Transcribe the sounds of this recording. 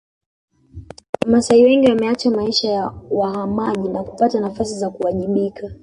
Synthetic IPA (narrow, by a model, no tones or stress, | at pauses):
masaiwɛŋɡiwamɛat͡ʃamaiʃajawaɦamaʄinaku̥patanafasizakuwaʄiɓikʰa